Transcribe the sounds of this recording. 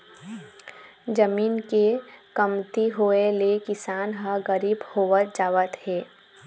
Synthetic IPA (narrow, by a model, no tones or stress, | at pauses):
d͡ʒəmiːnkekəmt̪iɦoːelekɪsaːnɦəɡəɾiːbhoːʋət̪̚d͡ʒaːʋət̪hɛː